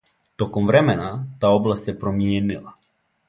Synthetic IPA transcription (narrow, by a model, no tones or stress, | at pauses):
t̪okomvɾɛmɛnat̪aoblˠast̪sepɾomjeːnilˠa